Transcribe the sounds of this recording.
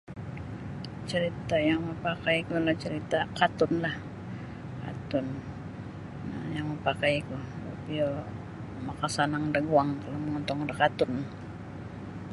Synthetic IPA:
t͡ʃəɾit̪ajaŋməpakajkulaht͡ʃəɾit̪akat̪ʊnlah | ka̰t̪ʊn | a̰jaŋməpakajkuba̰pio | makasanaŋdaɡuaŋkaloməŋɔnt̪ɔŋdakat̪ʊn

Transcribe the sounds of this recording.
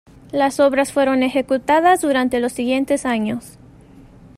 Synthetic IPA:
laso̞βɾasfwe̞ɾo̞ne̞xe̞kut̪aðazðuɾant̪e̞lo̞sːiɣje̞nt̪e̞saɲo̞s

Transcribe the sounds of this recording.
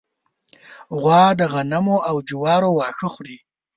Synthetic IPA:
ɣwɑːd̪əɣanamoʔawd͡ʒʊwɑːɾowɑːxəxɾi

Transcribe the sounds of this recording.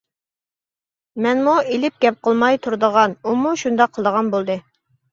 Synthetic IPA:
mɛnmuelɪp̚ɡʲɛp̚qʰəlˠmɑjt̪ʰuɾd̪əʁɑnumuʃund̪ɑqʰːəlˠd̪əʁɑnbolˠd̪ɨ

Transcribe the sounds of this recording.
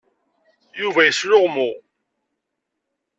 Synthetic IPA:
juvæjəslʊʁmʊ

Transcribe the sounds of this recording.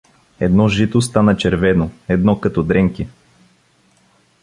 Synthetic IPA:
ɛd̪nɔʒit̪ost̪anət͡ʃɛɾvɛnoɛd̪nɔkɐt̪ɔd̪ɾɛŋki

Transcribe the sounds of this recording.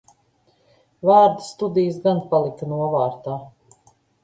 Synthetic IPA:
vaːɾd̪st̪ud̪ijs̬ɡanpalˠikɐnuɔvaːɾt̪aː

